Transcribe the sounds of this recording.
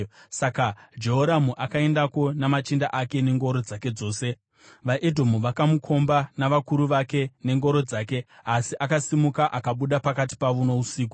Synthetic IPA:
sakad͡ʒe̞ɦoɾamuʔakae̞ndako̞namat͡ʃindaʔake̞ne̞ŋɡo̞ɾo̞d͡zake̞d͡zo̞ːse̞ | ʋaʔedʱo̞muʋakamukʰo̞mbanaʋakuɾuʋake̞ne̞ŋɡo̞ɾo̞d͡zaːke̞asiʔakasimukaʔakaɓuɗapakati̥paʋuno̞usiːk̬u

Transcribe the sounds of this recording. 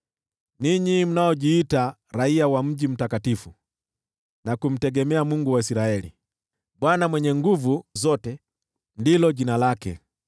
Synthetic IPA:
niɲim̩naɔʄiːta | ɾaiawam̩ɟim̩takatifu | nakum̩tɛɡɛmɛamuŋɡuwaisiɾaɛlḭ | ɓwanamwɛɲɛŋɡuvuzɔtɛ | ndilɔɟinalakɛ̰

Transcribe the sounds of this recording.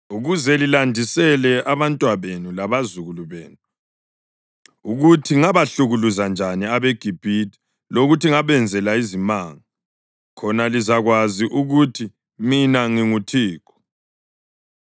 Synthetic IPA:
uɣuzɛlilandʱisɛlɛʔaβantʼwaβenulaβazuɣuluβeːnu | uɣutʰiŋaβaɬuɣuluzand͡ʒʱaniaβeɡ̥ʱib̥ʱitʰʼi̥ | loɣutʰiŋaβɛnd͡zʱɛlaizimaːŋa | kʰɔnalizaɣwaziʔuɣutʰi | minaŋiŋutʰiːkɔ̥

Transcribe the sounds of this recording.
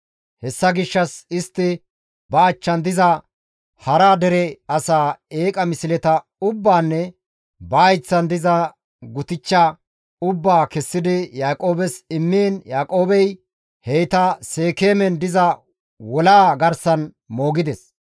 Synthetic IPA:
hɛsːɐɡɪʃːɐsɪst̪ːɪ | bɐːt͡ʃːɐnd̪ɪzɐ | hɐɾaːd̪ɛɾɛɐsaːeːkʼɐmɪsɪlɛt̪ɐ | ʊbːaːnːɛ | bɐːjt͡sːɐnd̪ɪzɐ | ɡʊt̪ɪt͡ʃːa | ʊbːaːkɛsːɪd̪ɪjaːkʼo̞ːbɛsɪmːiːnjaːkʼo̞ːbɛj | hɛjt̪ɐse̞ːkeːmɛnd̪ɪzɐ | wɔlaːɡɐɾsɐn | mo̞ːɡɪd̪ɛs

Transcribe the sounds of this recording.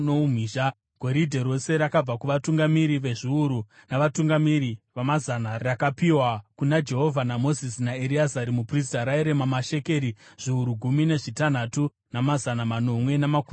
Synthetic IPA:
nom̤iːʒa | ɡ̥ʱo̞ɾidʱeɾo̞se̞ɾakab͡vakuʋatuŋɡamiɾiʋe̞ʐiuɾunaʋatuŋɡamiɾiʋamazanarakapiwakunad͡ʒe̞ɦo̞vʱanamo̞zisnaeɾiazaɾimupris̬taɾaeɾemamaʃe̞ke̞ɾiʐ̥iuɾuɡʱumine̞ʐitan̤atu | namazanamano̞mwe̞namakum

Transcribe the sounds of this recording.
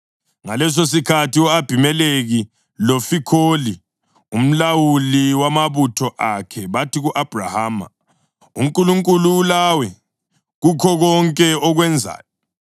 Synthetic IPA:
ŋalɛs̬os̬ikʰatiɔab̥ʱimɛleɣi | lofikʰoli | um̩lawuliwamaβutʰɔʔakʰɛβatʰiɣuʔab̥ʱra̰haːma̰ | ṵŋkʼuluŋkʼuluːlawɛ | ɣukʰɔɣɔŋkʼɛɔɣwɛnd͡zʱa̰ːjɔ

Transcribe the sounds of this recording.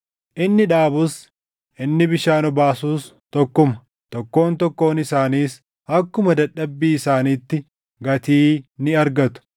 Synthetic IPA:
ʔɪnːɪᶑaːbʊs | ʔɪnːɪbɪʃaːnɔbaːsuːs | t̪ɔkːʊmɐ̥ | t̪ɔkːo̞ːnt̪ɔkːo̞ːnɪsaːniːs | ɐkːʊmɐd̪ɐᶑːɐbːiːɪsaːniːt̪ːɪ | ɡɐt̪iːnɪɐɾɡɐt̪ʊ̥

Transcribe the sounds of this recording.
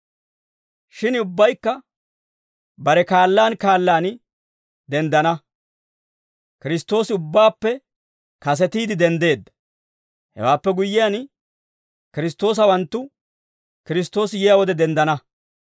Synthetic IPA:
ʃɪnʊbːɐjkːɐ | bɐɾɛkaːlːaːnkaːlːaːn | d̪ɛnd̪ɐnɐ | kɪɾɪst̪ːo̞ːsɪʊbːaːpːɛ | kɐs̬ɛt̪iːd̪ɪd̪ɛnd̪e̞ːd̪ːɐ̥ | hɛ̰waːpːɛɡʊjːɪjan | kɪɾɪs̬t̪o̞ːs̬ɐwɐnt̪ːʊ | kɪɾɪs̬t̪o̞ːsɪjɪjawɔd̪ɛd̪ɛnd̪ɐnɐ

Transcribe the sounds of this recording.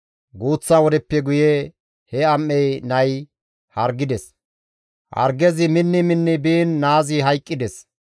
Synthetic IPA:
ɡuːt͡sːawɔd̪ɛpːɛɡʊje | hɛɐmːɛjnɐj | hɐɾɡɪd̪ɛs | hɐ̰ɾɡɛzɪmɪnːɪmɪnːɪbiːnːaːzɪɦɐjkʼːɪd̪ɛs

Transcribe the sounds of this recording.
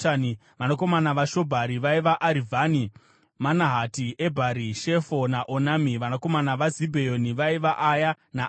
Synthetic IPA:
ni | ʋanoko̞manaʋaʃo̞bʱaɾiʋaiʋaʔaɾivʱani | manaɦatiebʱaɾiʃe̞fo̞naʔonamiʋanako̞manaʋazibʱejoniʋaiʋaʔːja | na

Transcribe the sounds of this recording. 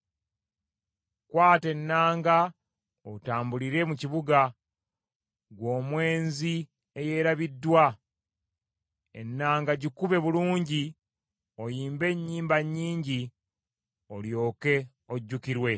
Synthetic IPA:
kwaːte̞nːaːŋɡa | otaːmbuliɾe̞muciβuɡa | ɡwo̞ːmwe̞ːnzi | e̞je̞ɾaβidːwa | e̞̰nːaːŋɡaɟikuβe̞βuluːɲɟi | o̞jiːmbe̞ɲːiːmbaɲːiːɲɟi | o̞ljo̞ːke̞ | o̞ɟːukiɾwe̞

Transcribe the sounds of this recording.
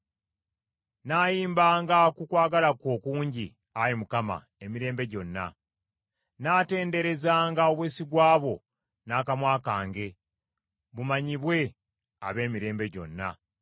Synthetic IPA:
naːjiːmbaːŋɡakukwaːɡalakoːkuːɲɟi | aɾimukama̰ | e̞miɾe̞ːmbe̞ɟo̞nːa̰ | naːte̞ːnde̞ɾe̞zaːŋɡao̞βweːsiɡwaːβo̞ | naːkamwaːkaːŋɡe̞ | βumaɲiβwe̞ | a̰βe̞ːmiɾe̞ːmbe̞ɟo̞̰nːa̰

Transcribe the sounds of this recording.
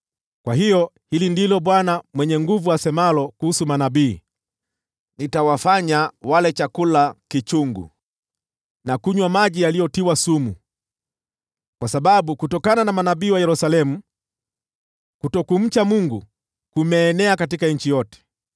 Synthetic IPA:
kwaɦijɔ | hilindilɔɓwanamwɛɲɛŋɡuvuwasɛmalɔkuhusumanabiː | nitawafaɲawalɛt͡ʃakulakit͡ʃuŋɡṵ | nakuɲwamaʄijalijɔtiwasumu | kwasaɓaɓukutɔkananamanaɓiːwajɛɾusalɛmu | kutɔkum̩t͡ʃamuŋɡu | kumɛːnɛakatikaɲ̩t͡ʃijɔtɛ̥

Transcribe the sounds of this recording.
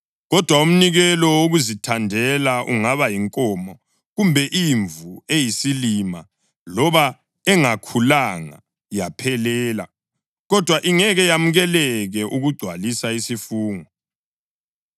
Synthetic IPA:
ɣɔd̥ʱwaum̩niɣɛlɔwoɣuzitʰandʱɛlaʔuŋaβajiŋkʼɔmɔ | ɣumbʱɛʔiɱvuejisilima̰ | lɔβa | ɛŋakʰulaŋa̰ | japʰɛlɛːla̰ | ɣɔd̥ʱwaʔiŋɛɣɛjam̩ɣɛlɛɣɛʔuɣuɡ͡ǀʱwalisaisifuːŋɔ

